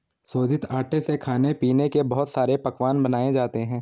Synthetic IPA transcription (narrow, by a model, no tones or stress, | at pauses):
soːd͡ʒɪt̪aːʈesekʰaːnepiːnekebɐɦʊt̪saːɾepɐkʋaːnbɐnaːed͡ʒaːt̪eɦɛ̃ː